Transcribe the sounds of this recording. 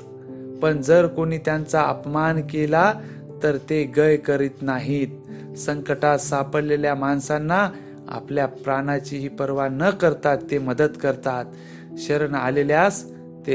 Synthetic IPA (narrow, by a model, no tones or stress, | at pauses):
pəɳd͡zəɾkoɽ̃iːt̪jant͡saə̰pmankela | t̪əɾt̪eɡəjkəɾiːt̪naɦit̪̚ | səŋkəʈasapəɽleljamansanːa | a̰pljapɾaɽ̃at͡ɕiːɦiːpəɾʋanəkəɾt̪at̪ːeməd̪ət̪kəɾt̪at̪ | ɕəɾəɳa̰leljasː | e